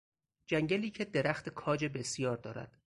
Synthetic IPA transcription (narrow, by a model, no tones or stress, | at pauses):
d͡ʒæŋɟæliːcʰe̞d̪eɾæxt̪ʰekʰɒːd͡ʒe̞be̞sjɒːɾd̪ɒ̰ːɾæ̰d̪̥